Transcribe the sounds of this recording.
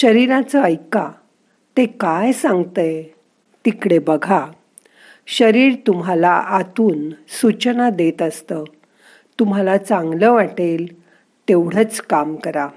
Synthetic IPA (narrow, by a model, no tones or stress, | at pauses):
ɕəɾiɾãt͡səəjka | t̪ekajsãŋɡt̪əj | t̪ikɽebəɡʱa | ɕəɾiːɾt̪um̤alaʔat̪uːnsut͡ɕnad̪et̪əst̪ə | t̪um̤alat͡sãŋɡləʋaʈel | t̪eʋɽ̤ət͡skamkəɾa